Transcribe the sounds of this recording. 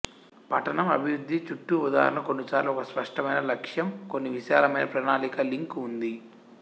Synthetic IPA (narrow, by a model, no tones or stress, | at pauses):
pɐʈɐnɐmɐ̰bʱiɾud̪ʱːit͡ʃuʈːuud̪a̰ːɾɐnɐkonːisaːɾluɔkɐspɐʂʈɐmɐjnɐlɐkʂjɐmko̞nːiʋiʃaːɾɐmɐjnɐpɾɐːnaːlikɐliŋkund̪i